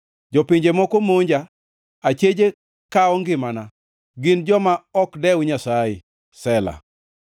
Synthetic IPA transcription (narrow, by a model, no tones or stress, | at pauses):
d͡ʒɔpɪɲd͡ʒemɔkomoɲd͡ʒa | at͡ʃed͡ʒe | kaɔŋɡɪmana | ɡɪnd͡ʒɔmaɔkdɛwɲasae | sɛla̰